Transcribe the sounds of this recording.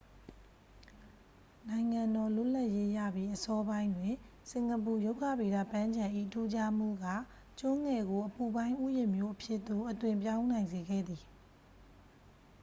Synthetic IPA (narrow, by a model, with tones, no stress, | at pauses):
nã˨ɪ̃ŋã˨ndɔ˨lʊ˦˨la˦ʔje˦ja̰˦˨bji˦ʔəsɔ˦bã˦ɪ̃ndwɪ̃˨ | sɪ̃˨ŋɡəp̬u˨jo˦ʊkʰä̰˦˨be˨da̰˦˨pã˦ɲd͡ʑã˨ʔḭ˦˨tʰu˦d͡ʑa˦m̥ṵ˦˨ɡa˦˨ | t͡ɕʊ̃˦ŋɛ˨ɡo˨ʔəpu˨bã˦ɪ̃ʔu˦jɪ̃˨mjo˦ʔəpʰjɪ˦ʔt̪o˦˨ʔətwɪ̃˨mp̬jã˦ʊ̃nã˨ɪ̃nze˨ɡɛ̰˦˨d̪ði˨